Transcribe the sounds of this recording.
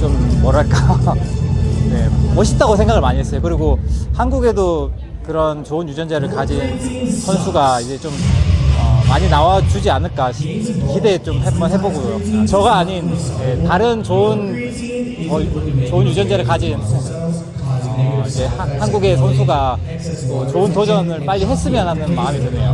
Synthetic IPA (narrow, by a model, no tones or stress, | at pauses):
t͡ɕomːʌɾaɭk͈a | ne̞̰mʌɕʰit͈aɡosʰe̞ŋɡaɣɯɭmaɲiɦes͈ʌjokɯɾiɡohanɡuɡe̞do | kɯɾʌnt͡ɕoɯnjud͡ʑʌnd͡ʑeɾɯɭkad͡ʑinsʰʌnsʰuɡaid͡ʑe̞t͡ɕomʌmaɲinawad͡ʑud͡ʑianɯɭk͈aɕʰiçide̞t͡ɕompek̚mʌnɦe̞boɡojoat͡ɕʌɡaːɲinje̞taɾɯnt͡ɕoɯn | ʌt͡ɕoɯnjud͡ʑʌnd͡ʑeɾɯɭkad͡ʑin | ʌid͡ʑe̞hahanɡuɡe̞sʰʌns̬ʰuɡa | tot͡ɕoɯntod͡ʑʌnɯɭpaʎːiɦe̞s͈ɯmjʌnɦanɯnmamidwenejo